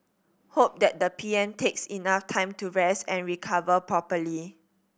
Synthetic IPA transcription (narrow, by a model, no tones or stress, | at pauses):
hop̚dɛt̚dəpʰiɛ̃ntʰeksinaftʰãɪ̃mtuɹɛstɛ̃nɹikʰavəpɹɔpəli